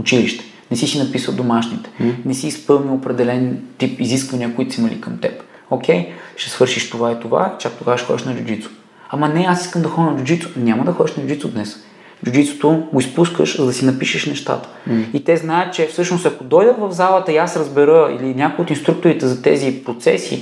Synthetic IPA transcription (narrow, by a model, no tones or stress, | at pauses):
ʊt͡ʃiliʃt̪ɛ̥ | nɛsisinɐpisəd̪omaʃnit̪ɛ̥nɛsiːspɤlˠniopɾɛd̪ɛlɛnt̪ipiziskvɐniəkoʊit̪o̥simɐlḭkəmt̪ɛ̰p | okʲɛjʃɛ̥svɤɾʃiʃt̪ovait̪ova̰t͡ʃak̚t̪oɡavəʃxɔ̰d̪iʃnɐd͡ʒʊd͡ʒ̪it̪so̥ | ɐmɐnɛasiskəmd̪ɐxɔnɐd͡ʒʊd͡ʒit̪so̥nʲamɐd̪ɐxɔd̪ʲiʃnɐd͡ʒʊd͡ʒ̪it̪sod̪nɛs | d͡ʒʊd͡ʒit̪so̥t̪oɡoispuskə̰ʃzɐd̪ɐsinɐpiʃɛʃnɛʃt̪a̰t̪ə̥it̪ɛznajət̪̚t͡ʃɛfsɤʃnost̪ɐkod̪ɔjd̪əmvɐvzalˠət̪əiasɾəzbɛɾəḭlinʲakoʊjot̪inst̪ɾukt̪oɾit̪ɛzɐt̪ɛ̰zipɾot̪sɛ̰sḭ